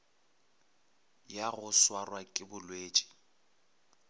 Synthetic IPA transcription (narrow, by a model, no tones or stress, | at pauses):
jaɣʊswarwakʼɪbʊlweːt͡ʃʼi̥